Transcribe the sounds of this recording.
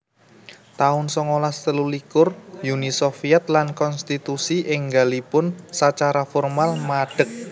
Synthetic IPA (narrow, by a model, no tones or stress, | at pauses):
t̪aʊnsɔŋolast̪əlulikʊrjunisofiɛt̪̚lankɔnst̪it̪usiʔɪŋɡa̤lipʊnsat͡ʃaɾafɔrmalmaɖ̥ə̤k̚